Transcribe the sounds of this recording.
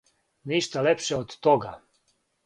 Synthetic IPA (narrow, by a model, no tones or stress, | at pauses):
niʃt̪alepʃeod̪ːoɡa